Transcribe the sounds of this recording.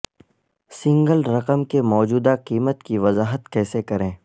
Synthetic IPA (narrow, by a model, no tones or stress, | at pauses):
sɪ̃ŋɡəlɾɐqəmkemɔːd͡ʒuːd̪aqiːmət̪kiʋɐzaːɦət̪kɛːsekɐɾẽː